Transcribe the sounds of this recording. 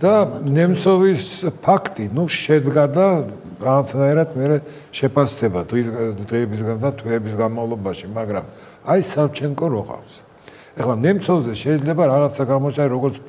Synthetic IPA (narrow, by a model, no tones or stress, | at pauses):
d̪̥anɛmt̪sʰɔvispʰakʰt̪ʼinuʃɛd̪ɡad̪a | ɾaʁat̪sʰnaiɾat̪ʰmɛɾɛ | ʃɛpʰasd̪ʰɛbad̪id̪ʁiɛbis̬ɡand̪at̪ʰwɛːbisɡanmavlˠɔbaʃimaɡɾam | aisaft͡ʃʰɛŋkʼɔɾɔqʼa̰fs | ɛχlˠanɛmt̪sʰɔvzɛʃɛid̪zlɛbaɾaʁat̪sʰaɡaʁmɔt͡ʃ̪aiɾɔɡɔɾt̪sʰ